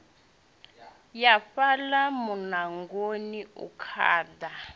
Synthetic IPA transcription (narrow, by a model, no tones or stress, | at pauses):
jafalamunaŋɡoniṵkʰa̰ːda